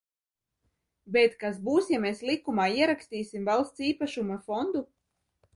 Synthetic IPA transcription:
bet̪kasbuːsjameːslˠikumaːiɛɾakst̪iːsʲimvalˠst̪siːpaʃumafɔnd̪u

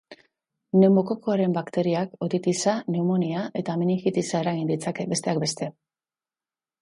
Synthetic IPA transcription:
ne̞mo̞koko̞aɾe̞mbakt̪e̞ɾiako̞t̪it̪isane̞umo̞niaʔe̞t̪aminixit̪isae̞ɾaɣind̪it͡sakebe̞st̪e̞akbe̞st̪e̞

